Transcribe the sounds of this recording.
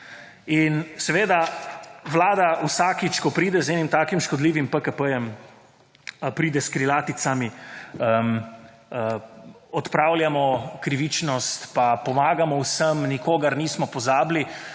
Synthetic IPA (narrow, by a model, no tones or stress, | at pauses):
insɛʋeːd̪aʋlaːd̪awsaːkit͡ʃkɔpɾiːd̪ɛzɛnimt̪aːkimʃkɔd̪liːʋimpəkəpəjɛm | pɾiːd̪ɛskɾilaːt̪it̪samiəm | əɔt̪pɾaːwljamɔkɾiʋit͡ʃnɔst̪papɔmaːɡamɔwsəmnikoːɡaɾniːsmɔpɔzaːbli